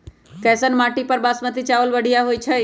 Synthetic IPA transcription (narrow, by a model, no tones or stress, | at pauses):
kɛːsənmaːʈipəɾbaːsmət̪it͡ʃaːʋəlʋəɽ̤ʱijaɦoit͡ʃʰə